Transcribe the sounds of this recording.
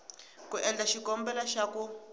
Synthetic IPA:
kuʔɛnd͡ɮaʃikɔmbɛlaʃaku

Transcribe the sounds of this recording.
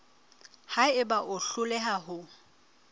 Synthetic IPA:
haɪbaʔʊɬʊlɛɦaɦʊ

